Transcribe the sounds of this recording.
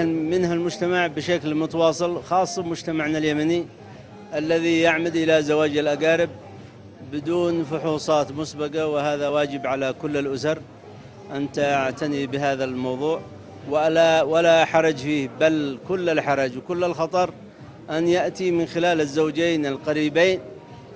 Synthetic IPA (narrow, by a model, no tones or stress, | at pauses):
mɪnhalmʊd͡ʒt̪amaʕbɪʃaklmʊt̪awɑːsˤɨlxɑːsˤːɑmʊd͡ʒt̪amaʕnaljamani | ʔalːaðijaʕmad̪ʔɪlazawaːd͡ʒalʔaɡaːɾɪb̚ | bɪd̪uːnfʊħuːsˤɑːt̪mʊsbɪqawɪhaːðawaːd͡ʒɪbʕalakʊlːɪlʔʊsɑɾ | ʔant̪aʔaʕt̪anibɪɦaːðalmɑwðˤuːʕ | wawalaħɑɾˤɑd͡ʒfiːhbalkʊlːɪlħɑɾˤɑd͡ʒwkʊlːɪlxɑt̪ˤɑɾˤ | ʔanjaʔt̪imɪnxɪlaːlɪzːawd͡ʒeːnɪlqɑɾiːbeːn